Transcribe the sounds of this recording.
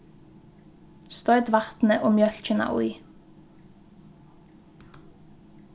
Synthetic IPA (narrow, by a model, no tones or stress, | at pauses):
st̪œʏt̪ʋɑʁt̪n̩əʔoːmjœlc͡çənɑ̰ʔʊ̰ʏ